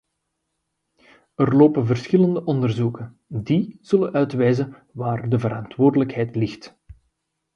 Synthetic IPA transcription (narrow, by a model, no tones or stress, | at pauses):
ərloːpənvərsxɪləndəʔɔndərzukən | diz̥ɵlənʔœɥtʋɛjzən | ʋaːrdəvəɾɑntwoːrdələkɦɛjtlɪxt